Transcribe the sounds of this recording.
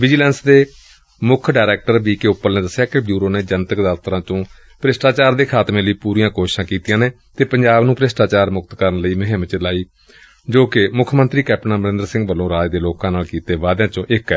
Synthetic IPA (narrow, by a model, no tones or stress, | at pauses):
ʋɪd͡ʒilɛ̃ːnsd̪eː | mʊkʰɖaːɾɛːk̚ʈəɾbiːkeʊpːəɾneːd̪əsːjaːkebjuːɾoːneːd͡ʒənt̪əkd̪aːt̪ʰəɾãːt͡ʃ̪õː | pɾesʈaːt͡ʃaːɾd̪eːkʰaːt̪mẽːləiːpuːɾijãːkoːʃʃãːkiːt̪ijãːneː | t̪eːpəɲd͡ʒaːbnũːpɾesʈaːt͡ʃaːɾmʊk̚t̪kəɾənləiːməɦɪ̃mt͡ʃəlaːiː | d͡ʒoːkɪmʊkʰmənt̪ɾiːkɛːp̚ʈnãːməɾɪ̃nd̪əɾsɪ̃ŋɡbəlːõːɾaːd͡ʒd̪eːloːkãːnaːlkiːt̪eːʋaːd̪jãːt͡ʃõːʔɪkɛː